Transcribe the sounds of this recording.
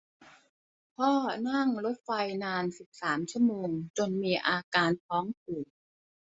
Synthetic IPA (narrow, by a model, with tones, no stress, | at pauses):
pʰɔː˥˩na˥˩ŋɾo˦˥t̪̚fa˧jnaː˧nsi˨˩p̚saː˩˦mt͡ɕʰu˥˩əmoː˧ŋt͡ɕo˧nmiː˧ʔaː˧kaː˧nt̪ʰɔː˦˥ŋpʰuː˨˩